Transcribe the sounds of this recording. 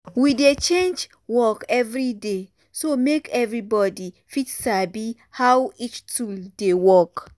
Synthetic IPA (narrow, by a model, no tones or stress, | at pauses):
widet͡ʃẽnd͡ʒ | wɔkɛvɹide | somekɛvɹibɔdi | fitsabi | hawit͡ʃtʰuldewɔk